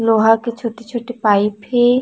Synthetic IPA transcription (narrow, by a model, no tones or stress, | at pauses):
loɦaket͡ʃʰoʈet͡ʃʰoʈepaipʰe